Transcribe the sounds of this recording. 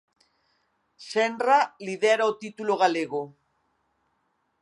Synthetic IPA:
senraliðeɾaot̪it̪uloɣaleɣ̞o

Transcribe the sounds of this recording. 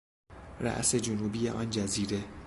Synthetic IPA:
ɾæ̰ʔse̞d͡ʒonuːbijḛʔɒːnd͡ʒæziːɾe̞

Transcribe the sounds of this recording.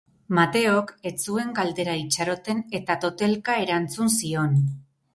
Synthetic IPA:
mat̪e̞o̞ke̞t͡sue̞ŋɡald̪e̞ɾait͡ʃaɾo̞t̪e̞ne̞t̪at̪o̞t̪e̞lkae̞ɾant͡sunsio̞n

